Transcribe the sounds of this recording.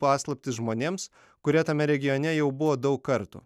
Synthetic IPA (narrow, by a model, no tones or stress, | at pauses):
pɑːslˠɐpʲt̪ʲɪsʒmoːnʲeːms | kʊɾʲɛt̪ɐmʲɛɾʲɛɡʲɪjoːnʲɛjɛʊbʊʋoːd̪ɒʊkkɐɾt̪ṵː